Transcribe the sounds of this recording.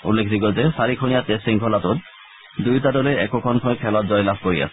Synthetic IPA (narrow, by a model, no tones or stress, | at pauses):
ṵlːekʰdiɡɔlzɛsaɹikʰonijatestiŋkʰɔlatʊt | dujtadɔlɛɛkɔkʰɔnkʰɔjkʰɛlɔt̚zɔjlabkoɹia̰sɛ̥